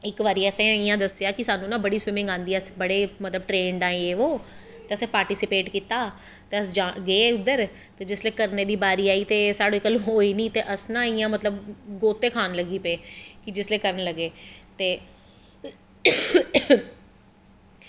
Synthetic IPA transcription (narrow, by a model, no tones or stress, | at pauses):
ɪkʋaːɾiːəsẽːɪjãːd̪əsɪjaːkɪsaːnũːnãːbəɽiːsʋɪmɪ̃ŋɡãːnd̪iːɛsbəɽeːmət̪ləb̚ʈɾeːɳɖãːeeːoː | t̪eːəsẽːpaːɾʈiːsɪpeːʈkiːt̪aː | t̪eːəsd͡ʒaɡeːʊd̪əɾ | t̪eːd͡ʒɪsleːkəɾneːd̪iːbaːɾiːaːiːt̪eːsaːɽoːikəlɦoːiːnĩːt̪eːʔəsnãːɪjãːmət̪ləbɡoːt̪ːeːkʰaːnləɡiːpeːkɪd͡ʒɪsleːkəɾənləɡeːt̪eː